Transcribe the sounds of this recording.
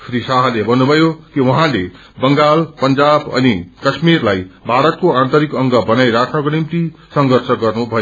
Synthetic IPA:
pʰɾisaɦʌlebʱʌnːubʱʌjokiwʌɦãle | bʌŋɡalpʌnd͡zabʌ̰nikʌsmirlajbaɽʌt̪̚koãnt̪ʌɾikʌŋɡʌbʌnajɾakʰnʌkonimt̪isʌŋɡʱʌrsʰʌɡʌrnubʱʌjo

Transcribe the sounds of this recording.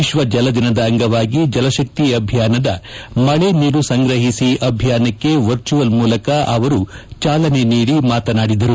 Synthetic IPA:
iʃʋɐd͡ʒɐlɐd̪inɐd̪ɐːŋɡɐʋaːɡid͡ʒɐlɐʃɐk̚t̪iɐbʱjaːnɐd̪ɐmɐɭe̞niːɾusɐŋɡɾɐɦisiʔɐbʱjaːnɐkːe̞ʋɐɾt͡ʃuʋɐlmuːlɐkɐʔɐʋɐɾut͡ʃaːlɐne̞niːɽimaːt̪ɐnaːɽid̪ɐɾu

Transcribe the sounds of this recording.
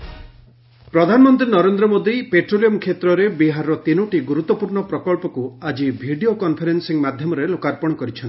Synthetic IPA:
pɾɔd̪ʱanɔmɔnt̪̬ɾinɔɾend̪ɾɔmod̪ipeʈɾolijɔmkʰet̪ɾɔɾebiɦaɾɔt̪inuʈiɡuɾut̪ːɔpuɾɳɔpɾɔkɔlpɔkuad͡ʒibʱiɖiokɔnpʰeɾensiŋmad̪ʱjɔmɔɾelokaɾpɔɽ̃ɔkɔɾit͡ʃʰɔnt̪i

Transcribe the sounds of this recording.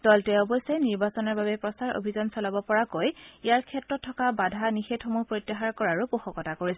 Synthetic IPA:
d̥ɔltɛɔbɔsejniɹbasɔnɔɹbabɛpɹɔsaɹo̰bʱizɔnsɔlabɔpɔɹakojijaɹkʰɛtɹɔtʰːɔkabadʱanixetʰɔmupɹojtːaxaɹkɔɹaɹʊpuxɔkɔtakoɹisɛ

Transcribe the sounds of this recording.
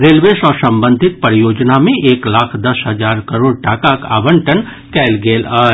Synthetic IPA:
ɾeːlʋeːsɔːɾsɐ̃mbə̃nd̪ʱɪt̪̚pəɾjoːd͡ʒnamẽʔeːklaːkʰd̪ɐsɦɐd͡ʒaːɾkɐɾoːɽʈaːkaka̰ːbə̃ɳʈən | kɛːlɡeːlaː

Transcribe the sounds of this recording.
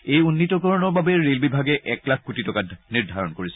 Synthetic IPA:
ejunːitɔkɔɹɔnɔɹbabɛɹelbibʱaɡɛʔɛklak̚ʰkutitɔkatniɹdʱaɹɔnkoɹisɛ

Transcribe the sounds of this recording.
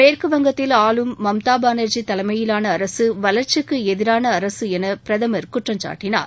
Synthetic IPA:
meːɾkɯʋɐŋɡɐt̪ːɪlaːlɯmːɐmt̪aːbaːnɐɾd͡ʒit̪ɐlɐmɐjɪlaːnɐɐɾɐsɯʋɐlɐɾt͡ʃɯkːɯɛðɪɾaːnɐːɾɐsɯɛnɐpɪɾɐðɐmɐɾkʊʈrɐɲt͡ʃa̰ːʈːɪna̰ːɾ

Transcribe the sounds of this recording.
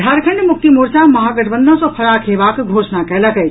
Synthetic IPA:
ɖʱaɾkʰəɳɖmuk̚t̪imuɾt͡ʃaməɦaɡəʈʰbənd̪ɔ̃sɔ̃pʰəɾakʰebakɡʱosnakɛləkə

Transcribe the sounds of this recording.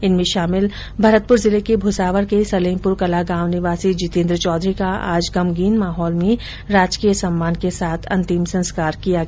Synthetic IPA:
ɪnmẽʃaːmɪl | bʱɐɾət̪̚pʊɾzɪlekebʱʊsaːʋəɾkesɐlẽːmpʊɾkɐlaɡãːʋnɪʋaːsid͡ʒɪt̪ẽːnd̪ɾət͡ʃɔːd̪ɾikaa̰ːd͡ʒɡɐmɡiːnmaːɦɔːlmẽ | ɾaːd͡ʒkijəsɐmːaːnkesaːt̪ʰɐ̰̃nt̪ɪmsɐ̃nskaːɾkijaɡ

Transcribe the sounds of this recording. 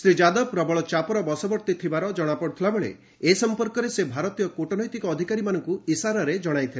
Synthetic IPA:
sɾid͡ʒad̪ɔbpɾɔbɔɭɔt͡ʃapɔɾɔbɔsɔbɔɾt̪it̪ʰibaɾɔd͡ʒɔɽ̃apɔɽut̪ʰilabeɭḛ | esɔmpɔɾkɔɾesebʱaɾɔt̪ijɔkoʈɔnɔjt̪ikɔːd̪ʱikaɾimanɔŋkuisaɾɔɾed͡ʒɔɽ̃ajt̪ʰile

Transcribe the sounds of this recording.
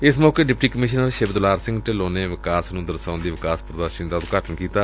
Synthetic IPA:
ɪsmɔːkeːɖɪpʈiːkəmɪʃnəɾʃeːbəd̪laːɾsɪ̃ŋɡʈeloːneːʋɪkaːsnũːd̪əɾsãːnd̪iːʋɪkaːspɾəd̪əɾʃənd̪aːʊt̪kaːʈʰənkiːt̪aː

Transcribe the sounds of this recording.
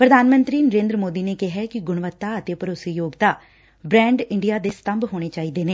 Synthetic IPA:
pɾəd̪ʱaːnmə̃nt̪ɾiːnəɾẽːnd̪ɾəmoːd̪iːneːkɪɦɛːkɪɡʊɳʋət̪ːaːət̪eːpəɾoːsijoːɡt̪aː | bɾɛ̃ːɳɖɪɳɖijaːd̪eːst̪əmbɦoːɽ̃eːt͡ʃaːiːd̪eːneː

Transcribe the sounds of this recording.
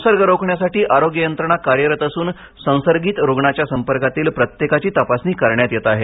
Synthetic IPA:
səɾɡəɾokʰɳjasaʈiːʔaɾoɡjəjənt̪ɾəɳ̃akaɾjəɾət̪əsuːn | sə̃w̃səɾɡiːt̪ɾoɡɳat͡ɕjasəmpəɾkat̪iːlpɾət̪jekat͡ɕiːt̪əpasniːkəɾɳjat̪jet̪aɦe

